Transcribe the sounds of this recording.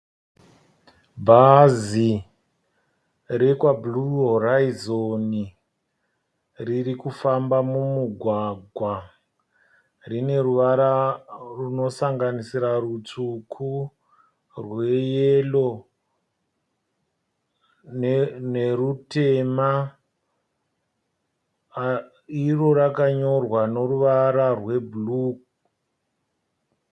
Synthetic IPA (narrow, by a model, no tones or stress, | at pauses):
bʱazi | rekwabluoraizoni | ririkufambamumuɡʱwaɡʱwa | rine̞ruʋaɾaruno̞saŋɡanisiɾarut͡sukʰu | rwe̞jelo̞ | nne̞rute̞ma | iro̞ɾakaɲo̞rwano̞ruʋaɾarwe̞buluk